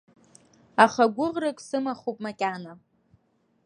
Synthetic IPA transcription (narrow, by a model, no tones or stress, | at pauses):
aχaɡʷʊʁrɨkʼsɨmaχopʼmakʲʼana